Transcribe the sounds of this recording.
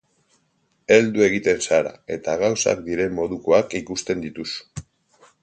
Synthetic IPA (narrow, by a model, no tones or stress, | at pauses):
e̞ld̪ue̞ɣ̞it̪e̞nsaɾa̰e̞t̪aɣ̞awsa̰k̚d̪iɾe̞mmːo̞ðuko̞akikust̪e̞nd̪it̪usu̥